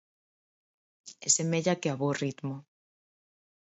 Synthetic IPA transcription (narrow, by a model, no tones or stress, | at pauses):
esemeʎakeaβorit̪mo